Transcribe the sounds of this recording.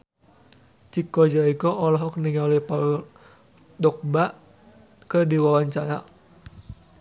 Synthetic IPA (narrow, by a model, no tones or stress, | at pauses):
t͡ʃikɔd͡ʒaikɔʔɔlɔɦɔk̚niŋalipa | dɔk̚baʔ | kədiwawaɲt͡ʃaɾa